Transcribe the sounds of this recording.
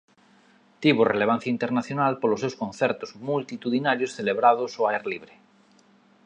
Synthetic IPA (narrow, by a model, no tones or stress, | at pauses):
t̪iβoreleβ̞ãn̟θjaint̪eɾnaθjonalpolosewskõnθɛɾt̪ozmult̪it̪uðinaɾjosθeleβɾaðosoaeɾliβɾe